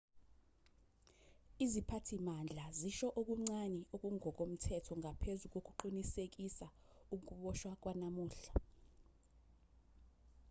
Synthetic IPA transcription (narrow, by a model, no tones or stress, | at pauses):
izipʰatʰimand͡ɮʱaziʃɔʔok̬ʼuŋ͡ǀanɛok̬ʼuŋʱɔk̬ʼom̩tʰɛtʰɔŋɡʱapʰezuk̬ʼok̬ʼuǃinisek̬isa | uk̬uɓɔʃwak̬wanamuːɬa